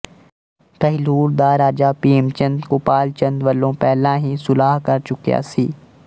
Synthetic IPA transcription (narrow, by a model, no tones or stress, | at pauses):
kɐɦɪluːɾd̪aɾaːd͡ʒaːpiːmt͡ʃə̃nd̪kʊpaːlt͡ʃə̃nd̪ʋəlːõːpɛːlãːɦisʊlaːɦkɐɾt͡ʃʊkija̰ːsiː